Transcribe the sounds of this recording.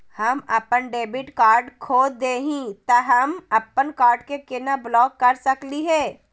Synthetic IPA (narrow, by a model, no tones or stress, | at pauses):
hɐmɐpənɖeːbɪʈkaːɾɖkʰoːd̪eːɦĩt̪ɐɦɐmɐpənkaːɾɖkekɪnablɔːkːɐɾsɐkliɦɛː